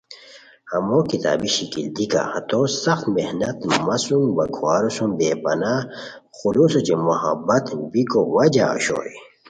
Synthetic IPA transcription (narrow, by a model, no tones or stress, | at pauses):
hɐmokit̪a̰ːbiɕikild̪ika̰hɐt̪osɐxt̪mehnɐt̪mɐsumbɐɡʰwaːɾusumbeːbɐna | xulusot͡ɕemuhɐ̰bɐt̪bikowɐd͡ʑa̰ːɕo̰j